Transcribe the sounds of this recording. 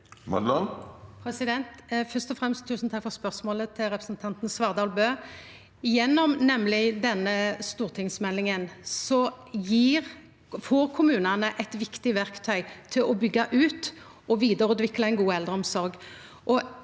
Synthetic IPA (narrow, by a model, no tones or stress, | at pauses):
mɑ̰d̪lɑlpʰɾɛsɪd̪ɛnt̪fœst̪ɔfʁɛmst̪ʰːʉːsn̩t̪ʰɑkfɔʁspœʁsmoːlət̪ʰɪlɾɛpɾɛsnt̪ʰɑnt̪n̩sʋɑʁd̪ɑːlbøː | jɛnːɔmnɛmlɪd̪ɛnːəst̪uːʁt̪ʰɪŋsmɛlːɪŋənsɔ | jiːɾ | fɔːɾkʰʊmʉːnɑnəʔɛt̪ʋɪkt̪ɪʋæʁkt̪ʰœʏt̪ʰɪlɔbʏɡːɑʔʉːt̪ | ʔɔʋiːd̪əɾʉːd̪ʋɪklɑɪnɡuːɛld̪ʁəɔmsɔɾɡ | ʔɔ